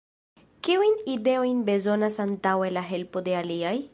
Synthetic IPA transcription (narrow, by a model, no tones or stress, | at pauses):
kiujnide̞o̞jnbe̞zo̞nasantawe̞laɦe̞lpo̞de̞aliaj